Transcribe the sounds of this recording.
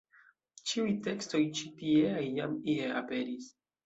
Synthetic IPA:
t͡ʃiujte̞ksto̞jt͡ʃipieajːamiea̰pe̞ɾis

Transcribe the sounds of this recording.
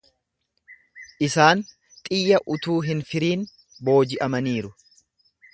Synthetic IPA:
ʔɪsaːn | t̪ʼɪjːɐʔʊt̪uːɦɪnfɪɾiːn | bo̞ːd͡ʒɪʔɐmɐniːɾʊ

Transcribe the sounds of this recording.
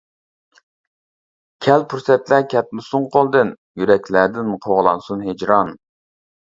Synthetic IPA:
kʲʰɛlpʰuɾsɛt̪lækʲʰɛt̪̚mɪsuŋqʰolˠd̪ɨn | jyɾɛkʲlæd̪ɪnqʰoʁlˠɑnsunɦed͡ʒɾɑn

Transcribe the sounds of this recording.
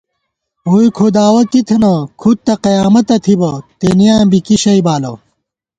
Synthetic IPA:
uːjkʰod̪aːwɐkit̪ʰenɐkʰut̪̚t̪ːɐqɐjaːmɐt̪ɐt̪ʰibɐt̪enijaːmbikiɕɐibaːlɐ

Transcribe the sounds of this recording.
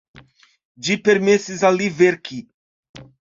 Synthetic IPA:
d͡ʒipeɾmesizaliveɾki

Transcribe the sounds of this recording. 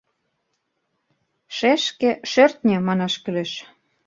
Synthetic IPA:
ʃeʃkĕʃørt̪nʲĕmɑnɑʃkyleʃ

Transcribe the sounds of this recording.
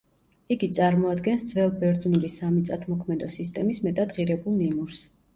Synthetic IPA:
iɡit̪sʼaɾmɔad̪ɡɛnsd̪zvɛlˠbɛɾd̪znulisamit̪sʼat̪ʰmɔkʰmɛd̪ɔsist̪ʼɛmismɛt̪ʼad̪ʁiɾɛbulˠnimuɾs

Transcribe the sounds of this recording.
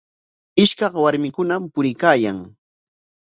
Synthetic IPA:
ɪʃkɑχwaɾmɪkʊnampʊɾɪkaːjaŋ

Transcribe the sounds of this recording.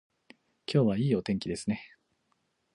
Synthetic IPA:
kʲʰo̞ːβaiːo̞t̪ẽŋkʲid̪e̞sɨne̞

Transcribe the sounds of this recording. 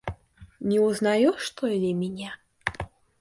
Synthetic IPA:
nʲɛuznajuʂt̪ɔilʲimʲinʲa

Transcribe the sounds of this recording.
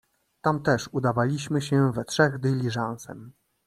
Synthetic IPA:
t̪amt̪ɛʂud̪avalʲiɕmɘɕɛ̃vɛtʂɛɣd̪ɘlʲiʐãñsɛ̰m

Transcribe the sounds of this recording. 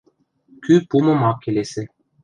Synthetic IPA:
kʲypumɤ̆mɑkʲelesɘ̆

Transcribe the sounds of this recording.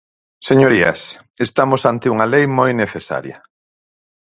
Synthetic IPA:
seɲoɾiɐ̰s | est̪amosant̪ɪuŋalejmojneθesa̰ɾjɐ̰

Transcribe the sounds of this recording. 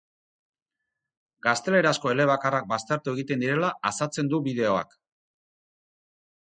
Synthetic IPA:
ɡast̪e̞le̞ɾasko̞e̞le̞β̞akarak̚bast̪aɾt̪ue̞ɣit̪end̪iɾe̞laːsat͡se̞nd̪uβið̞e̞o̞a̰k

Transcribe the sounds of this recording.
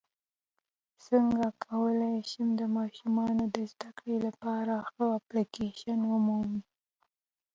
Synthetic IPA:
səŋɡakʰawəlajʃəmd̪əmɑʃumɑnod̪əzd̪akɽelapɑɾaxəaplikeʃanwʊmumi

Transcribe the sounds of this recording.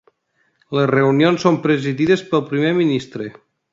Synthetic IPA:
lezreunionsːompɾəziðiðəspəlˠpɾimeminist̪ɾe

